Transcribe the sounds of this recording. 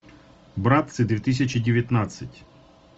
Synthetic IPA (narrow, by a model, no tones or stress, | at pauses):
bɾɑt̪̚sɛd̪ʲʋʲit̪is̬ʲɐt͡ʃidʲeʋʲjɐt̪nɑt͡sʲːɐtʲ